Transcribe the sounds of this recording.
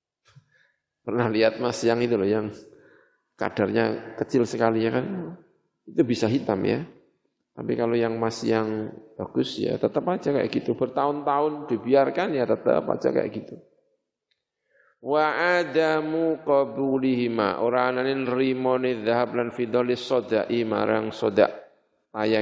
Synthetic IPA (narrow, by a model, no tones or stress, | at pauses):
pərnahliat̪̚masiaŋit̪ulɔhjaŋ | ka̰d̥arɲakət͡ʃɪlsəkalijakan | it̪ubisaɦit̪amja̰ | t̪apikalojaŋmasḭaŋbaɡ̥ʊsja̰t̪ət̪əpad͡ʒaka̰jʔa̰ɡit̪ubərt̪aʊnt̪aʊnd̥ibiarkanjat̪ət̪ə̰pa̰d͡ʒa̰ka̰jʔa̰ɡit̪u | waʕad̪amuqɔbuliɦima̰ʔoɾaananɪnrimɔnɪðaɦablanfid̪ɔlɪsɔdaʔima̰ɾaŋsɔda̰ʔ | t̪aja